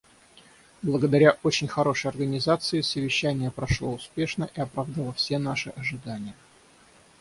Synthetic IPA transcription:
blˠəɡəd̪ɐɾʲaʔo̞t͡ɕɪnʲxɐɾo̞ʂəjɐrɡənʲɪzat̪sɨɪsəvʲɪɕːænʲɪjəpɾɐʂlˠo̞ʊspʲe̞ʂnəʔiɐpɾavd̪əlˠəfsʲe̞naʂɨʔɐʐɨd̪anʲɪjə

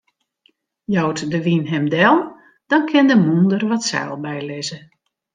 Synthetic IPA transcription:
jɔwtdəʋinɦɛmdɛlˠ | d̥ɔnkʰɪndəmundərʋɔtsɛ̰ːlˠbɛjlɪzə

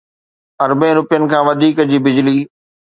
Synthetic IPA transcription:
ɐɾbɪ̃ɾʊpɪjənɪ̆kʰãːʋɐd̪ʱiːkd͡ʑiːbɪd͡ʑliː

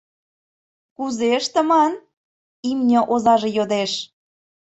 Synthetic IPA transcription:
kuzeəʃt̪ə̆mɑn | imnʲə̆ʔozɑʒejod̪eʃ

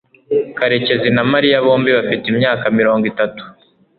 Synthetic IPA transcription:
kaɾe̞ce̞zinamaɾijaβo̞ːmbiβafitimɲaːkamiɾo̞ːŋɡitatu̥

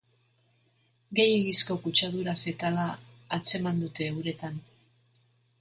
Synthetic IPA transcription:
ɡe̞jeɣisko̞kut͡ʃaðuɾafe̞t̪alaː | t͡se̞mand̪ut̪e̞ːwɾe̞t̪an

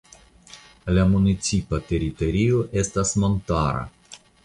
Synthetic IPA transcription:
lamunit̪sipat̪eɾit̪oɾioʔest̪asmont̪aɾa̰

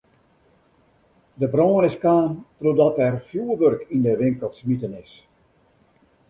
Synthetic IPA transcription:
dəbrɔːnɪskaːntrodɔtɛrfjuːəʋørkindəʋɪŋkəlˠtsmitənɪs

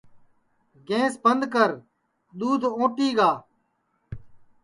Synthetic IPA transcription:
ɡẽːsbənd̪kəɾ | ɗ̪uːd̪ʱõːʈiːɡaː

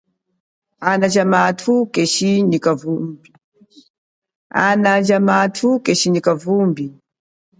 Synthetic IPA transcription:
anad͡ʒamatʰukɛʃinikavumbi | a̰nad͡ʒamatʰukɛʃinikavumbi

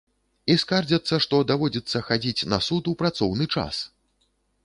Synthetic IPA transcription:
iskard͡zʲɐt̪sːɐʂt̪ɔd̪avɔd͡zʲɛt̪sːɐxad͡zʲit͡sʲnɐsut̪upɾat̪sɔwnɨt͡ʂa̰s

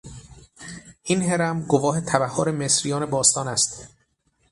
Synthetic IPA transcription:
ʔinɦe̞ɾæmɡovɒːɦe̞t̪ʰæbæhːoɾemesɾijɒːnebɒːst̪ɒːnæst̪

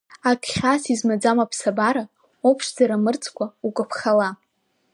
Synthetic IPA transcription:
akʲʼʰχʲasizmad͡zamapʰsabaɾa | opʰʂzaɾamɨrt͡sʰʼkʷʰʼaukʷʼapʰχala

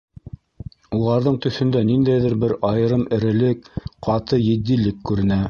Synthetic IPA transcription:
ulˠɑɾðɤɴt̪ɵ̆θɵ̆nd̪ænind̪æjðɘɾbɘɾɑjɤ̆ɾɤmɘ̆ɾɘ̆lɘkqɑt̪ɤjɘ̆d̪ːilɘkːʉɾɘ̆næ

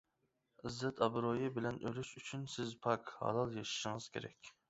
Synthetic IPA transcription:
ɪzːɛt̪ʰɑbɾojɪbɪlɛnʔølyʃyt͡ʃʰynsɪzpʰɑkhɑ̰lˠɑlˠjɑʃi̥ʃiŋɨz̥kʲʰḛɾɛ̰kʲ

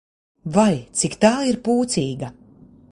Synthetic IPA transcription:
vajt̪sikt̪aːiɾpuːt̪siːɡa

